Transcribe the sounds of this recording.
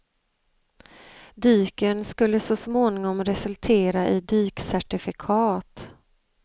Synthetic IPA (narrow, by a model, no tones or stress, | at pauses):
d̪yːkənskɵlːəsɔsmoːnɪŋɔmɾɛsɵlt̪ʰeːɾaʔɪd̪yːksæʈɪfɪkʰɑːt̪